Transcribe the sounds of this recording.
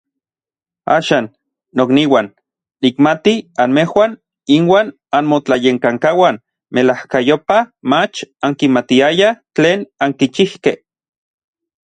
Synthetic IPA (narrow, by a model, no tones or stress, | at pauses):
a̰ːʃaːnː | okniwanː | ikmat̪ianmehwaːn | inwaːn | anmot͡ɬajeŋkaŋkawan | melahkajopamat͡ʃaŋkimat̪iajat͡ɬeːnaŋkit͡ʃihkeh